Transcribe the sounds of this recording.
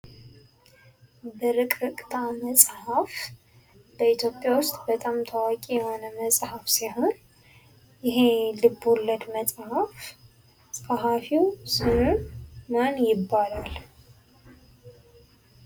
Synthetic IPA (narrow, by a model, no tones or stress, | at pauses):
bəɾɨkʼɾɨkʼt̪ʰʼaməsʼhaf | b̥əit̪ʰjo̞pʼːjawʊst̪ʼbət̪ʼamt̪ʰəwakʼijɛho̞nəməsʼhafsiɦo̞n | jɪɦelɨbːulːəd̪məsʼhaf | sʼaɦafiwsɨnunmənjɪbːalal